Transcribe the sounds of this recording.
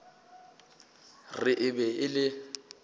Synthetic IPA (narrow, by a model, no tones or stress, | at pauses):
rɪʔɪbɛɪlɪ